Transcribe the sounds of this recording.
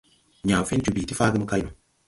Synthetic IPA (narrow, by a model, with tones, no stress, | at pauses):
ɲãː˨fe˦n˦t͡ʃu˧bi˨ti˦faː˦ɡɨ˦mɨ˦ka˧jnu˨